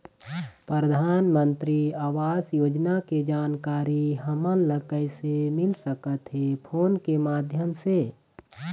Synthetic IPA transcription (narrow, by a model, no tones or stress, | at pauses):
pɾəɾəd̪ʱaːnmə̃nt̪ɾiaːʋaːsjoːd͡ʒnaked͡ʒaːnkaːɾiɦəmənləkəɪsemɪlsəkət̪ɦepʰoːnkemaːd̪ʱjəmse